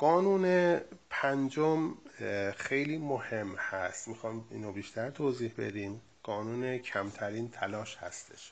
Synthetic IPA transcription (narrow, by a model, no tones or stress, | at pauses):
ɢ̥ɒːnuːnepʰænd͡ʒom | e̞jliːmohe̞mːhæst̪mixɒːjmḭːnobiːʃt̪ʰæɾt̪ʰoːziːhbe̞̰d̪iːm | ɢ̥ɒːnuːnecʰæmt̪ʰæɾiːnt̪ʰælɒːʃhæ̰st̪ʰe̞̥̰ʃ